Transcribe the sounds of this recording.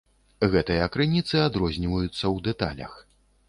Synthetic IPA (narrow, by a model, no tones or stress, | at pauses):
ɣɛt̪ɨjɐːkɾɨnʲit̪sɨad̪ɾɔzʲnʲivɐjut̪sːɐwd̪ɛt̪a̰lʲɐ̰x